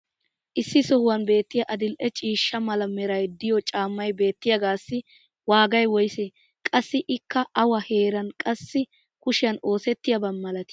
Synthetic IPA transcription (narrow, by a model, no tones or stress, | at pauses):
ʔɪsːɪsɔhʊwɐnbe̞ːt̪ːɪjɐʔɐd̪ɪlʔɛt͡ʃʼiːʃːɐmɐlɐmɛɾɐjd̪ɪjɔt͡ʃʼaːmːɐjbe̞ːt̪ːɪjɐɡaːsːɪ | waːɡɐjwɔjsɛ | kʼɐsːɪʔɪkːɐʔɐwɐheːɾɐnkʼɐsːɪ | kʊʃɪjɐno̞ːsɛt̪ːɪjɐbɐnmɐlɐt̪ɪ̥